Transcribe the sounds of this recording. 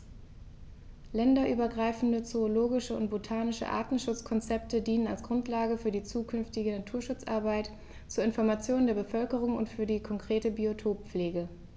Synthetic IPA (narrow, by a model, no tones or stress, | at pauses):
lɛndɐʔyːbɐɡʁaɪfn̩dət͡soːloːɡɪʃəʊ̰nt̚b̥otʰaːnɪʃə̰ʔa̰ːɐtn̩ʃʊt͡skʰɔnt͡sɛp̚tʰədiːnəna̰lsɡ̥ʁʊntlaːɡəfyːɐdiːt͡suːkʰʏnftɪɡənatʰuːɐʃʊt͡sʔa̰ɐbaɪt | t͡suːɐɪnfɔɐmat͡sjoːnəndeːɐbəfœlkəʁ̞ʊŋʊ̰ntfyːɐdiːkʰɔŋkʁ̥eːtəbiotʰoːp̚p͡fleːɡə